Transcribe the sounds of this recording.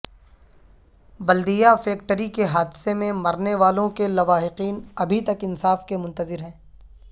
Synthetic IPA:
bɐld̪ijafɛːk̚ʈəɾikeɦaːd̪semẽmɐɾneʋaːlõkelɐʋaːɦɪqiːnɐbʱit̪ɐkɪnsaːfkemʊ̃nt̪əzɪɾɦɛ̃ː

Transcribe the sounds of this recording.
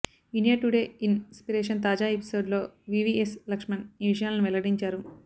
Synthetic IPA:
inijɐʈuɽe̞ːinspiɾeːʂɐnt̪aːd͡ʒaːepi̥so̞ːɖlo̞ːʋiʋiːeslɐkʂmɐniʋiʂ̬ɐjaːlɐnuʋɛlɐɐɽiɲt͡ʃaːɾu

